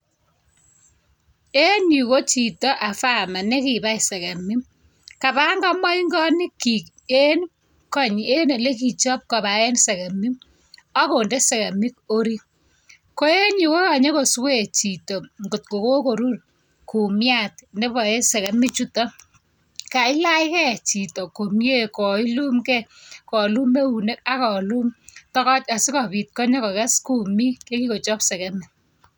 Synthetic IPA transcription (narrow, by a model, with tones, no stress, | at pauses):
e˦ɲi˨ko˦t͡ʃi˨tɔ˦ʔa˨fa˦˨ma˨ne˦ki˨ba˦ise˨ka˨mi˦m | ka˨ba˦ŋɡɔ˦mɔ˦iŋɡɔ˦nɪ˦kːi˨k | e˦n | kɔ˦˨ɲe˦ne˨le˦k̬i˨t͡ʃɔ˦p̚ka˨βa˨e˦nse˨ka˨mi˦m | ɔ˦ko˨nde˦se˨ka˨mi˦k̚o˦ɾi˦ | ko˦e˦ɲi˨ko˦ka˨ɲe˦ko˨swe˦˨t͡ʃi˨to˨ŋɡo˨t̚ko˨ko˦ko˨ɾu˦r | ku˨mja˦˨t̚nde˦βɔ˨e˦sɛ˨ka˨mi˦t͡ʃu˦tɔ˦ | ka˨ɪ˦la˦ɪ˦kɛ˦˨t͡ʃi˨to˨ko˨mje˦kɔ˨i˦lu˦mkɛ˦kɔ˨lu˦me˦u˨ne˦ka˦kɔ˨lu˦mtɔ˦kɔ˦t͡ʃa˨si˦kɔ˨pi˨t̚kɔ˦ɲɔ˦kɔ˨kɛ˦sku˨mi˦ke˦ki˦ko˨t͡ʃɔ˦psɛ˨kɛ˦mi˨